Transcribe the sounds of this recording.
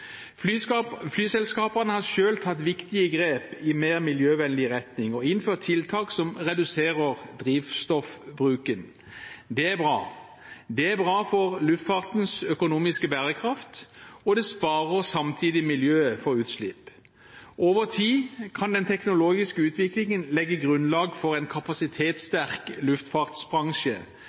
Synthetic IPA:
fflyːsɛlskɑːpəʁnəhɑʃøːlt̪ʰɑt̪ʋɪkt̪ɪəɡʁeːpɪmeːʁmɪljøːʋɛnd̪ɪʁɛt̪nɪŋɔɪnføːt̪ʰːɪlt̪ʰɑːksɔmʁɛd̪ʉseːʁəʁd̪ʁiːʋst̪ɔfbʁʉːkən | d̪ɛæbʁɑ̰ː | d̪ɛæbʁɑːfɔʁlʉft̪fɑʁt̪nsœkʊnuːmɪskəbæːʁəkʰʁɑft̪ɔd̪ɛspɑːʁəʁsɑmt̪ʰiːd̪ɪmɪljøːəfɔʁʉːt̪slɪp | ʔoːʋəʁt̪ʰiːkʰɑnd̪ɛnt̪ʰɛknʊloːɡɪskəʉːt̪ʰʋɪklɪŋənlɛɡːəɡʁʉnlɑːɡfɔʁɛɪnkʰɑpɑsɪt̪ʰeːt̪st̪æʁklʉft̪fɑʁt̪sbʁɑŋʃə

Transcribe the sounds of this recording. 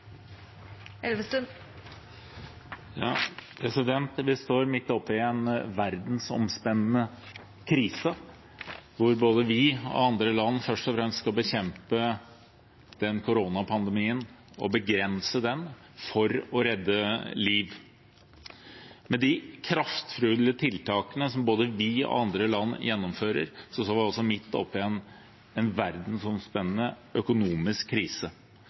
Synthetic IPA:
ɛlʋəs | jɑpʰɾɛsɪd̪ɛnt̪ʋɪst̪oːɾmɪt̪ːɔpːɪɛnʋæɾd̪n̩sɔ̰mspɛnːn̩ə | kʰɾiːsə | ʋʊɾboːd̪əʋɪɔ̰ɑnd̪ɾəlɑnːfœʂʈɔfɾɛmst̪skɑlbəçɛmpə | d̪̥ɛnkʰʊɾoːnɑpʰɑnd̪əmiːən | ɔ̰bəɡɾɛnsəd̪ɛn | fɔɾɔɾɛd̪ːəliːʋ | mɛd̪ɪkʰɾɑft̪fɾʉːd̪l̩ət̪ʰɪlt̪ʰɑːkənəsɔmboːd̪əʋɪɔ̰ɑnd̪ɾəlɑnːjɛnːɔmføːɾə̰ɾsɔst̪oːʋɪɔlsɔmɪt̪ːɔ̰pːɪɛn | ɛnʋæɾd̪n̩sʊmspɛnːənəʔœkʊnuːmɪskʰːɾiːsə

